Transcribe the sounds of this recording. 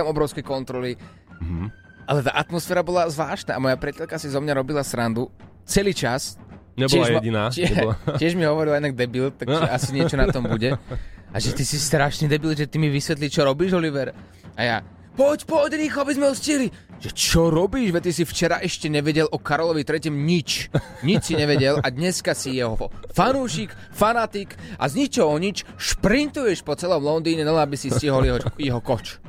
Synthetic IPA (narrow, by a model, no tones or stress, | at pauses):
amɔbɾɔʊskɛjkɔnt̪ɾɔli | ʔalɛt̪a̰ʔat̪mɔsfɛːɾabɔlazʋlaːʃt̪na̰ʔːmɔjapɾɪɛcɛlkasizɔmɲaɾɔbilasɾand̪u | t͡sɛliːt͡ʃasɲɛbɔɪɛaʒjɟinaːɪɛɪɛʒmiɦɔʋɔɾilaɛnaɡ̚d̪ɛbilt̪̚t̪ːakʒɛʔasiɲɪɛt͡ʃɔnat̪ɔmbuɟɛʔa̰ʒɛt̪isist̪ɾaʃniːd̪ɛbild̪ʒɛt̪imiʋisʋɛt̪lit͡ʃɔɾɔbiːʒɔliʋɛɾ | a̰ja̰ | pɔcpɔɟɾiːxɔabizmɛɔsciɦliʒ̥ɛt͡ʃɔɾɔbiːʃʋɛt̪ːisift͡ʃɛɾaʔɛʃcɛɲɛʋɛɟɛlʔɔkaɾɔlɔʋit̪ɾɛcɛmɲit͡ʃ | ɲit͡ʃsiɲɛʋɛɟɛlad̪ɲɛskasijɛɦɔɔfanuːʃik | fanat̪ikʔa̰zɲit͡ʃɔɦɔɲit͡ʃʃpɾint̪ujɛʃpɔt͡sɛlɔmlɔnd̪iːɲɛnalɛabisisciɦɔlɛɦjɛɦɔkɔt͡ʃ